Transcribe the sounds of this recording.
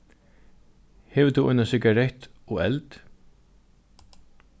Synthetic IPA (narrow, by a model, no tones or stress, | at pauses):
hɛːvət̪ʰuːʔɔ̰jnasɪɡaɾɛht̪ɔɛlt̪